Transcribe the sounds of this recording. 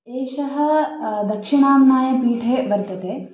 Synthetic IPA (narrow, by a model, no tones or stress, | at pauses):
eːʃɐɦɐ̆d̪ɐkʂɪɳaːmnaːjɐpɾiːʈʰeːbɐɾt̪ɐt̪eː